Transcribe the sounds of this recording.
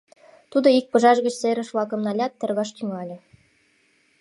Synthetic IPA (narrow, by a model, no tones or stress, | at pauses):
t̪ud̪ɤ̆ik̚pɤ̆ʒɑʒɡə̆t͡ɕseɾʲɘ̆ʃvˠɑkɤ̆mnɑlʲɑt̪ːɘ̆rɣɑʃt̪ʲyŋɑlʲɤ̆